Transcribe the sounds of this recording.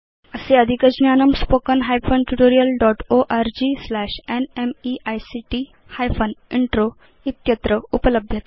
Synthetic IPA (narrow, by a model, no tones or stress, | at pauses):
əseəd̪ʱikəd͡ʑnjanəmspokənɦajfʰonʈuʈoɾijəlɖɔʈoʔaɾd͡ʑislæɕenemiʔajsiʈi | hajfəniɳʈɾo | it̪jət̪ɾəupələbʱjət̪